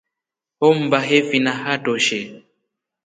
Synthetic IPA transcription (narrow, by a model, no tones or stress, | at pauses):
om̩baɦefinaɦatoʃe